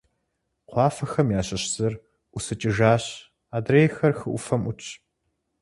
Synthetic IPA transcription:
qʷɑːfɐxɐmjaːɕɐɕz̥ɨr | ʔʊsɨt͡ʃʼɪʒaːɕ | aːdreːjxɐrxɨʔʷʊ̰fɐmʊt͡ʃʰ

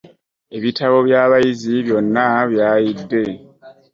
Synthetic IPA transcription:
e̞βitʰaβo̞βjaːβajiziβjo̞nːaβjaːjidːe̞

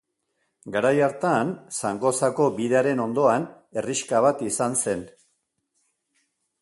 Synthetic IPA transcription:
ɡaɾajaɾt̪ansaŋɡo̞sako̞biðe̞aɾe̞no̞nd̪o̞an | e̞riʃkaβat̪isanse̞n

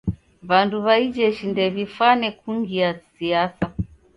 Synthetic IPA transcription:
βanduβaid͡ʒɛʃindɛβifanɛkuŋɡiasiasa

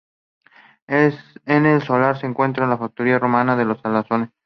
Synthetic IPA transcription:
enelso̞laɾseːŋkwe̞nt̪ɾalafak̚t̪oɾiaromãnaðelo̞salasones

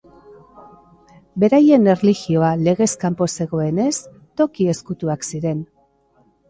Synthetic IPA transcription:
be̞ɾaje̞ne̞rliɣio̞ale̞ɣe̞skampo̞se̞ɣo̞e̞ne̞s | t̪o̞kie̞skut̪uaksiɾe̞n

